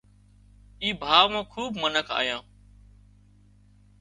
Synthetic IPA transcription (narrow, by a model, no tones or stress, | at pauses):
iːbʱaːʋmãːkʰuːbmənəkʰa̰ːjãː